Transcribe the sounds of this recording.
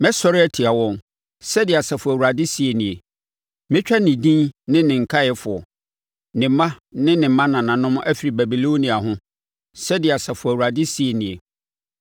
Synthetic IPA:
mɛ˦sɔ˦ɾɪ˦ɛ˦tʰi˨a˨wɔ̃˦ŋ | sɛ˦dɪ˨ɛ˨sa˨fʊ˨æ˨wu˨ɾa˨dɪ˦si˨e˨nĩ˨e˨ | mɪ̃˦t͡ɕᶣa˦nɪ̃˨dĩ˦nnɪ̃˦nɪ̃˨ŋ̩˨kʰa˦jɛ˦fʊ˨ɔ˨ | nɪ̃˨˦mã˦nɪ̃˦nɪ̃˨˦mã˦nã˨nã˨nʊ̃˦m˦æ˦fi˨ɾi˨bæ˨bi˨lo˦nĩ˨a˨ɦʊ̃˦ | sɛ˦dɪ˨a˨sa˨fʊ˨æ˨u˨ɾa˨dɪ˦si˨e˨nĩ˨e˨

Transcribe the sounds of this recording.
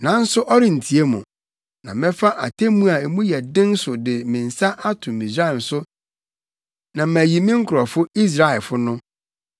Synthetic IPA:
nã˨˦n̩˦sʊ˦ʔɔ˦ɾɪ̃˨n̩˨tʰi˨e˦mṵ̃˨ | nã˨mɛ̃˦fa˦ʔa̰˨tʰe˦mũ˦a˨e˨mũ˦jɛ˨dɪ̃˦n˦sʊ˨dɪ˨mɪ̃˨n̩˨sa˦ʔa˦tʰʊ̃˨mĩ˨sɾa˦˨n˨sʊ˦ | nã˨mæ˨ji˨mɪ̃˦ŋ̩˦kʰʊ˨ɾɔ˨fʊ˦i˦s̬ɾa˦ɛ˨lfʊ˦nʊ̃˦

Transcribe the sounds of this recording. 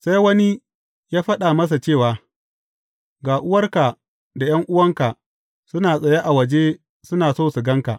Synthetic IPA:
sa˦jwɐ˦ni˦ | jaː˦ɸɐ˦ɗa˨mɐ˦s̬a˨t͡ʃeː˦˨waː˨ | ɡaː˨ʔʊ˦wɐ˦rka˨ | da˨j̰ɐ˦ŋʔʊ˦wɐ˦ŋka˨ | sʊ˦naː˨sʼɐ˨ja˦ʔa˨wɐ˨d͡ʒe˦ | sʊ˦naː˨soː˦˨su˨ɡɐ˦ŋka˨ʔ

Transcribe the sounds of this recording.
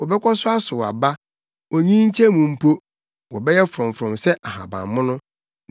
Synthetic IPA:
wɔ˨bɛ˦kʷɔ˦sʊ˦a˦sʊ˨a̰˨ba˦ | ɔ˨ɲĩ˦ɲ̩˦t͡ɕʰɛ̃˦mũ˨m̩˦pʰo˦ | wɔ˨bɛ˦jɛ˦fʊ˨ɾɔ̃˨m˨fɾɔ̃˨msɛ˦ʔa˨hã̰˨bã̰˨mmʊ̃˦nʊ̃˦

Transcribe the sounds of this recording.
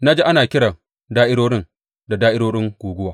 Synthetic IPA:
na˦d͡ʒe˦ʔa˦naː˨kʲɪ˦ɽa˨ | daː˦ʔɪ˦ɽoː˦ɽɪ˦n | da˨daː˦ʔɪ˦ɽoː˦ɽɪ˦ŋɡ̥ʷuː˨ɡʷʊ˦waː˦

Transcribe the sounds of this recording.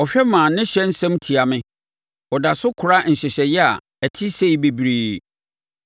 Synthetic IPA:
ɔ˨fᶣɛ˦mãː˨nɪ̃˦ɕɛ˦n̩˦sɛ̃˦mtʰi˨a˨mɪ̃˦ | ɔ˨da˨sʊ˦kʰʊ˨ɾa˦n̩˨ɕɛ˨ɕɛ˨jɛ˦a̰˨ | ɛ˨tʰɪ˦se˦i˦be˨bɾiː˦

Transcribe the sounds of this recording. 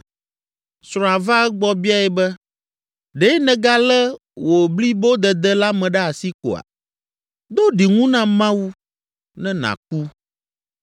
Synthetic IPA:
sɾɔ̃˨a˨va˦ɡ͡bɔ˦bi˦a˦ɛ˨bɛ˦ | ɖe˦nɛ̃˨ɡa˦lɛ˦ | wʔo˨bli˦bo˦d̪ɛ˨d̪ɛ˦la˦mɛ̃˨ɖɛ˦a˨si˦ko̰˨a̰˨ | d̪o˦ɖi˨ŋũ˦nã˦mã˦wu˦ | nɛ̃˦nã̰˨k̚u˦

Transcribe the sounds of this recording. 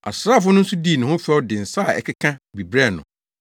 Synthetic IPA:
a̰˨sɾaː˦˨fʊ˦nʊ̃˦n̩˦su˦diː˦˨nʊ̃˨hʊ̃˦fɛ˦ɔ˦dɪ̃˨n̩˨sa˦˨ɛ̰˨kʰɪ˦kʰã˦bi˨bɾɛ˦˨nʊ̰̃˨

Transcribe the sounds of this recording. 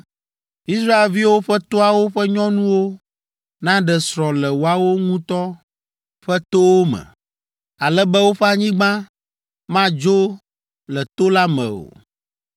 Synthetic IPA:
i˦sɾa˦e˨lvi˦wo˦ɸɛ˦t̪o˦a˨wo˦ɸɛ˦ɲɔ̃˦nũ˦wo˦ | nã˦ɖɛ˨sɾɔ̃˨lɛ˨wo˨a˨wo˦ŋũ˦t̪ɔ˦ | ɸɛ˦t̪o˦wo˦mɛ̰̃˨ | a˨lɛ˦bɛ˦wo˦ɸɛ˦a˨ɲĩ˦ɡ͡bã˦ | mã˦d͡ʒo˦ | lɛ˨t̪o˦la˦mɛ̰̃˨o̰˨

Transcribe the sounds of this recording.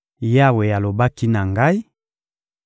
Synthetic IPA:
je˦a˨we˨ja˨lo˨ba˦ki˦na˨ŋɡa˦i˦

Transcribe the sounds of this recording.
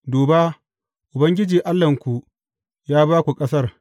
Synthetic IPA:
doː˨baː˦ | ʔʊ˨bɐ˦ŋɡʲɪ˦d͡ʒiː˨ʔa˦lːɐ˨ŋkʷu˨ʔ | jaː˦baː˦kʷu˨kʼɐ˦sɐ˦r

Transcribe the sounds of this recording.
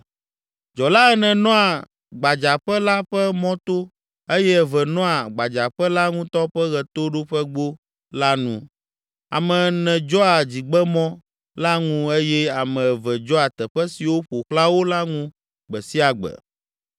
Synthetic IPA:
d͡ʒɔ˨la˦ɛ˦nɛ̃˨nɔ̃˦a˨ | ɡ͡ba˨d͡ʒa˨ɸɛ˦la˦ɸɛ˦mɔ̃˦t̪o˦ | e˦jɛ˦ɛ˨vɛ˨nɔ̃˦a˨ɡ͡ba˨d͡ʒa˨ɸɛ˦la˦ŋũ˦t̪ɔ˦ɸɛ˦ɣɛ˨t̪o˦ɖo˦ɸɛ˦ɡ͡bo˦ | la˦nṵ̃˦ | a̰˨mɛ̃˨nɛ̃˨d͡ʒɔ˦a˨d͡ʑi˨ɡ͡bɛ˦mɔ̃˦ | la˦ŋũ˦e˦jɛ˦a˨mɛ̃˨vɛ˨d͡ʒɔ˦a˨t̪ɛ˨ɸɛ˦si˨wo˦ɸo˨kla˦wo˦la˦ŋũ˦ | ɡ͡bɛ˨si˦a˨ɡ͡bɛ̰˨

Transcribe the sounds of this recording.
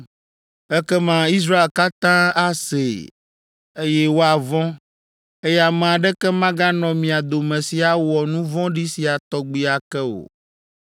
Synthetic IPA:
ɛ˦kɛ˦mã˨i˦s̬ɾa˦e˨lka˦t̪ã˦a˦sḛ˨ | e˦jɛ˦wo˦a˨vɔ̃˦ | e˦jɛ˦a˨mɛ̃˨a˨ɖɛ˦kɛ˦mã˦ɡa˦nɔ̃˨mĩ˨a˨d̪o˨mɛ̃˨si˨a˨wɔ˨nũ˦vɔ̃˦ɖi˦si˨a˨t̪ɔ˦ɡ͡bi˦a˨kɛ˦o̰˨

